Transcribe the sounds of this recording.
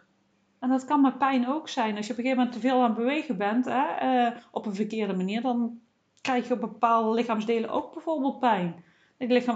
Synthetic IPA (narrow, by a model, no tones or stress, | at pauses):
ɛndɔtkɑnmɛpɛjnowksɛjnɑsjəɔpoɣeːvəmɛntːəveːlˠaːnbəʋejɣəbɛntɛəʔɔpənvərkɪːrdəmaniːrdɑn | krɛjxjəbəpaːlˠdəlɪxaːmzdeːləʔo̰wɡ̚bɛjvoːrbeːlˠt̚pɛjn | lɪxa